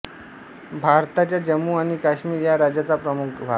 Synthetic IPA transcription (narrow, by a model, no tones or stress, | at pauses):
bʱaɾt̪at͡ɕjad͡ʑəmːuaɽ̃ikaɕmiːɾjaɾad͡ʑjat͡sapɾəmukbʱa